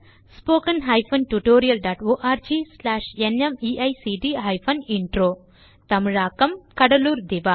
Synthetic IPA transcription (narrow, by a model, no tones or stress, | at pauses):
spoːkɐnɦɐjpʰɐnʈuʈoːɾijɐlɖaːʈoːʔaːɾd͡ʒiːslaːʂenemiːʔɐjsiːɖiːɦɐjpʰɐniɳʈɾoː | t̪ɐmɾaːkɐmkɐɽɐluːɾd̪iʋaː